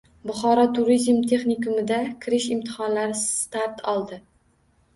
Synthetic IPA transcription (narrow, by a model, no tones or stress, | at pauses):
bʊχɒɾɒt̪ʰʊɾizmt̪ʰe̞χnikʊmɪd̪akʲʰɪɾɪʃɪmt̪ʰɪ̥χɒnlaɾɪst̪aɾt̪ʰɒlˠd̪ɪ